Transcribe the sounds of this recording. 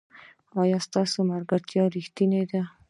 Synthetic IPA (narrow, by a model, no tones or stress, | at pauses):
ɑjɑst̪ɑsomaɾɡaɾt̪jɑɾixt̪ined̪a